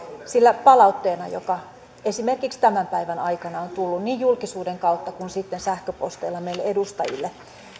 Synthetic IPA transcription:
silːæpɑlɑut̪ːeːnɑjo̰kɑ | esimerkikst̪æmæmpæiʋænɑikɑnɑont̪ulːunniːjjulkisuːdeŋkɑut̪ːɑkunsit̪ːensæhkøpost̪eilːɑmeilːeedust̪ɑ̰jḭlːe

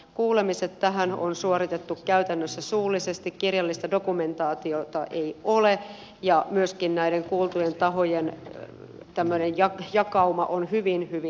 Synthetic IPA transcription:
kuːlemiset̪tæɦæno̰nsuoɾit̪et̪ːukkæyt̪ænːøsːæsuːlːˑisest̪ikkirjɑlːist̪ɑdo̞kume̞nt̪ɑːt̪iot̪ɑʔe̞iole | jɑmyøskinnæideŋkuːlt̪ujent̪ɑɦojen | t̪æmːønenjɑjɑkɑumɑ̰ʔonhyʋinhyʋi

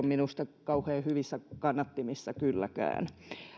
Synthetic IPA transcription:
omminust̪ɑkɑuheːhyʋisːækɑnːɑt̪ːimisːɑkylːæ̰kæ̰ːn

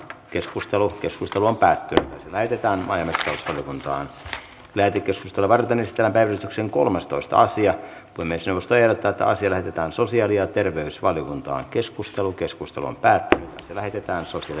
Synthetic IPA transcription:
keskust̪elukeskust̪eluompæːt̪ːynyt̪ɑselæhet̪et̪æːnmɑ̰iɑmest̪ɑusʋɑljokunt̪ɑ̰ːn | læːt̪ekːeskust̪elːɑʋɑrt̪enːisit̪ælːæmpæiʋælyt̪ykseŋko̰lmest̪oist̪ɑ̰ɑ̰siɑ | kuimesnewʋost̪oerot̪ːæːet̪ːæ̰ɑ̰siɑlæhet̪et̪æːnsosiɑliɑt̪erʋeysʋɑljokunt̪ɑ̰ːŋkeskust̪elukeskust̪eluo̰mpæːt̪ːynyɑ̰slæhet̪et̪æːnsosiɑl

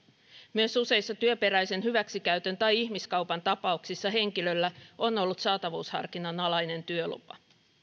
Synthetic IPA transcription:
myøsuse̞isːɑt̪yøpe̞ɾæjse̞nhyʋæksikæyt̪ønt̪ɑjihmiskɑupɑnt̪ɑpɑuksisːɑɦe̞ŋkilø̞lːæo̞no̞lːut̪sɑːt̪ɑʋuːshɑ̰rkinɑnɑlɑjne̞nt̪yølṵpɑ

